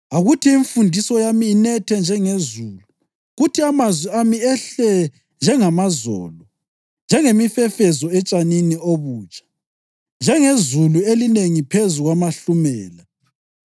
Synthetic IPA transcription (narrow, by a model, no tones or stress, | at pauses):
aɣutʰiiɱfundʱisɔjamiːnɛtʰɛnd͡ʒʱɛŋezuːlu | ɣutʰiamazwiamiɛɬɛ | nd͡ʒʱɛŋamazɔ̰ːlɔ | nd͡ʒʱɛŋemifɛfɛzɔɛt͡ʃʼaninioβuːt͡ʃʼḁ | nd͡ʒʱɛŋezuluelineŋipʰezuɣwamaɬumɛːla